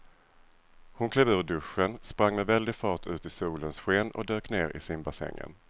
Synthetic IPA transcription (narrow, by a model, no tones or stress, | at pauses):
hʊnkʰlɛːvʉ̟ːɖ̪ɵʂːənspɾaŋːmɛd̪vɛld̪ɪɡfɑːʈʉ̟ːt̪ɪsuːlənsɧeːnɔ̰d̪øːkneːɾɪ̰sɪnbasɛ̰ŋːə̰n